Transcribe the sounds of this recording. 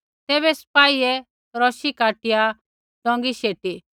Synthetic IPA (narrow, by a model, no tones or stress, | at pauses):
t̪ɛːβɛspaːiɛ | ɾɔʃikaːʈɪja | ɖ̥ɔ̃ːŋɡiʃeːʈi